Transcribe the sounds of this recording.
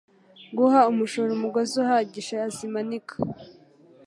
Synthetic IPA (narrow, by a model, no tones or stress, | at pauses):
ɡuɦaumuʃoɾumuɡozuhaɟiʃeazimanikʰḁ